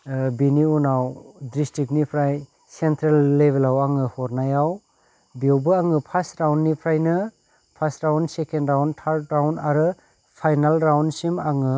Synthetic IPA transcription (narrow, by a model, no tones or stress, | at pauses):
biniunawdɾistik̚nipʰɾaj | sentɾelːebʱelawaŋɯhɔɾnajaw | biwbɯaŋɯpʰasɾawnːipʰɾajnɯ | pʰasɾawnsekendɾawntʰaɾt̚ɾawnaɾɯ | pʰajnalɾawnsimaŋɯ